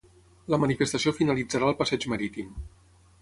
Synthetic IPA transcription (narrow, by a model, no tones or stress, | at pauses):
ləmənifəst̪əsiofinəlid͡zəɾaəlˠpəsɛd͡ʒməɾit̪im